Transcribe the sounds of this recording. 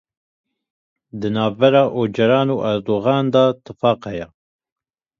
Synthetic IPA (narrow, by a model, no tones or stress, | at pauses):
d̪ɨnɑːvːɛɾɑːʔoːd͡ʒɛɾɑːnuːʔɛɾd̪oːɣɑːnd̪ɑːt̪ɨfɑːqhɛjɛ